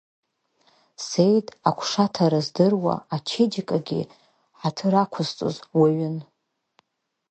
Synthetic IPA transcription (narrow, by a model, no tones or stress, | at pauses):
sejtʼakʷʰʂatʰaɾɨzdɨrwa̰at͡ʃʰed͡ʒikʼaɡʲḭ | ħatʰɨɾakʷʰʊzt͡sʼo̰zwaɥɪn